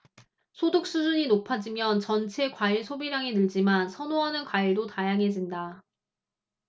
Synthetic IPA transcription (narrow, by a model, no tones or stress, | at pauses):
sʰodok̚s͈ud͡ʑuɲinopʰad͡ʑimjʌnt͡ɕʌnt͡ɕʰe̞kwaiɭsʰobiɾaŋenɯɭd͡ʑimansʰʌnoanɯnkwaiɭdotajaŋɦe̞d͡ʑinda